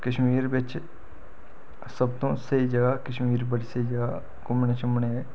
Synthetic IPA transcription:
kəʃmiːɾbɪt͡ʃ | səbt̪õːsəid͡ʒəɡakəʃmiːɾbəɽisəid͡ʒəɡa | kʊmnet͡ʃəmne

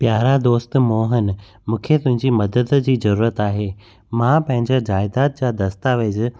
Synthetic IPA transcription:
pjaːɾad̪oːst̪moːɦən | mũːkʰet̪ʊ̃ɦɪ̃ɲd͡ʑimɐd̪əd̪d͡ʑiːzɐɾuːɾət̪aːɦeː | mãpɐ̃ɦɪ̃ɲd͡ʑad͡ʑaːɪd̪aːt̪̚d͡ʑaːd̪ɐst̪aːʋed͡ʑ

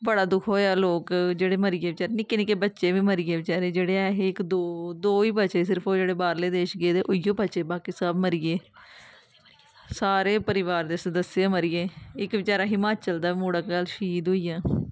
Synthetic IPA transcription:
bəɽaːd̪ʊkʰoːjaːloːkd͡ʒeːɽeːməɾijeːʋɪt͡ʃaːɾeːnɪkɪnĩːkebətːʃeːʋiːməɾijeːʋɪt͡ʃaːɾeːd͡ʒeːɽeːɛːɦeːɪkd̪oːd̪oːiːbətːt͡ʃeːs̬ɪɾpʰoːd͡ʒeːɽeːbaːɾleːd̪eːʃɡeːd̪eːʔʊɪjoːbət͡ʃeːbaːkiːsəbməɾijeː | saːɾeːpəɾɪʋaːɾd̪eːsəd̪əsːjãːməɾijeːɪkʋɪt͡ʃaːɾaːɦimaːt͡ʃəld̪aːmoːɽəkɡəlʃiːd̪ɦoiːjãː

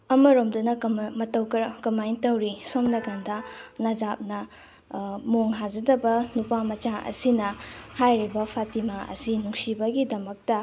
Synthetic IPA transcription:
ɐmɐɾomdunɐmɐtɐwkɐkɐmajntɐwɾisomnɐkandɐnɐd͡ʒap̚nɐ | moŋɦad͡ʒɐdɐbɐnupamɐt͡ʃaʔɐ̰sinɐhajɾibɐpʰatimaʔɐ̰sinuŋsibɐɡidɐmɐk̚tɐ

